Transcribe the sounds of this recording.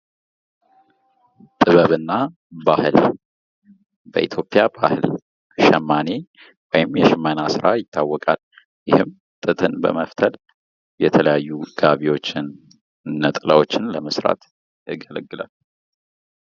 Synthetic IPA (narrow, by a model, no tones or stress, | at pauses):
t̪ʼɨβəβɨnːa | bahɨl | bəʔit̪ʰjo̞pʼːijabahɨl | ʃəmːane | wɔjɪmjɛʃɨmːənasɨɾajɪt̪ʰːawːɔkʼal | jɪhɨm | t̪ʼɨt̪ʼʰɨnbə̰məft̪ʰəl | jɛt̪ʰələjajːuɡ̥aβiwo̞t͡ʃːɪnː | ət̪ʼla̰wo̞t͡ʃːɪnləməsɾa̰t̪ | ɨɡələɡːɨla̰l